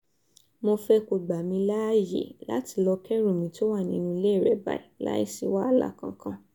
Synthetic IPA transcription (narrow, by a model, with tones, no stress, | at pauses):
mo˧fɛ˧ko˨ɡ͡ba˨mĩ˧la˦jḛ˨la̰˨˦ti̥˧lɔ˧kɛ˦ɾũ˦˨mĩ˨˧to˦wa˦˨nĩ˧˦nũ˧i˧le˦˨ɾɛ˨˦ba̰˨i˨la̰˦ḭ˦si˧wa˦˨la̰˦˨kã˧kã˦